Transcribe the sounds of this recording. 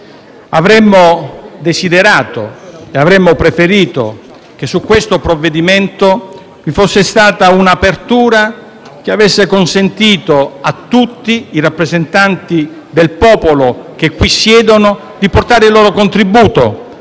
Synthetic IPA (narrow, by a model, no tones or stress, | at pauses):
avɾɛmːod̪esid̪eɾaːt̪o̰eavɾɛmːopɾefeɾiːt̪o̰ | k̟esːukːwest̪opɾovːed̪iment̪o | vifosːest̪aːt̪aunapert̪uːɾa | k̟eavesːekonsent̪iːt̪oat̪ːut̪ːiːrapːɾezent̪ant̪i | d̪elpɔːpolok̟ekːwisːjɛːd̪ono | d̪iport̪aːɾɪilːoːɾokont̪ɾibuːt̪o̰